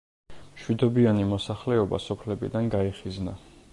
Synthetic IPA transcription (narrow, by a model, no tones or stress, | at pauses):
mʃwid̪ɔbianimɔsaχlɛɔba̰sɔpʰlɛbḭd̪anɡaiχizna